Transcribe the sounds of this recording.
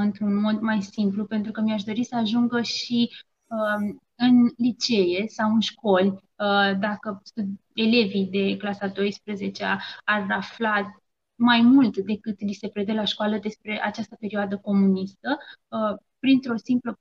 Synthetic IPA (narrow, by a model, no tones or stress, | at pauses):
ɨnt̪ɾunmo̞d̪majsimplupe̞nt̪ɾukəmiaʃd̪o̞ɾisəaʒuŋɡəʃi | ə | ɨnlit͡ʃe̞je̞sawɨnʃko̞lʲ | əd̪akəsu | e̞le̞vid̪e̞klasad̪o̞jspɾəze̞t͡ʃeaaraflat̪ | majmult̪d̪e̞kɨt̪lise̞pɾed̪elaʃkoaləd̪e̞spɾe̞ʔat͡ʃast̪əpe̞ɾioad̪əko̞munist̪ə | pɾint̪ɾo̞simplə